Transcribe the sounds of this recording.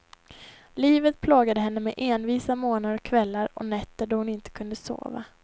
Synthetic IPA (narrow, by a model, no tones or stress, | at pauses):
liːvət̪̚pʰloːɡad̪əɦɛnːəmɛʔeːnviːsamoːnad̪əɾɔkʰːvɛlːaɾɔ̰nɛt̪ːəɖɔhʊnɪnt̪ə̥kʰɵnd̪əso̰ːva̰